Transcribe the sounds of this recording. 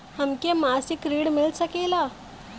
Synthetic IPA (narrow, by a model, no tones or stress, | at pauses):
həmkemasikɾiɽmiɭsəkela